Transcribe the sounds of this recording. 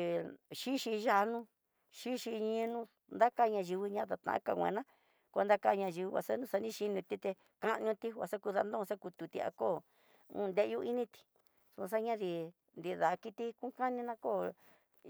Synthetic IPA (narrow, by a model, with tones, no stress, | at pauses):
ʃi˦ʃi˧ʒa˧nũ˦ | ʃi˦ʃi˧ɲĩ˧˦˧nũ˦ | nd̪a˦ka˧ɲã˧ʒi˧βi˧ɲã˦t̪a˧t̪ã̰˨˦ka̰˧˨wʷḛ̃˨˧nã˦ | ko˧nd̪a˦˧ka˧ɲã˧ʒi˧βi˧wa̰˧sa˦nũː˦sa˧nĩ˦ʃi˧nĩ˧t̪i˦t̪e˧ | ka˦ʔɲũ˧t̪i˦˧a˧sa˦ku˧ða˧nd̪õ˦˧sa˦ku˧t̪u˧t̪ḭ˧a̰˧ko˦˨ | ṵ̃˦˧nd̪e˦ʔju˦i˦nĩ˦t̪i̥˧ | su˧s̬a˦ɲã˦ði˧ | nd̪i˧ða˨˧ki˧t̪i˦ku˦ka˦nĩ˧nã˧˦koː˦˨